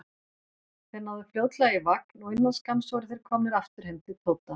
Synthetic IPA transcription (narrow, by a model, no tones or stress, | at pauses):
θɛnːaðʏfloːwt̪laɣaivaknɔɣɪnːanskamsowɾɪθejɾ̥kʰɔːmnɪðaft̪ʏɾ̥hɛmt̪ɪt̪ʰoːwt̪a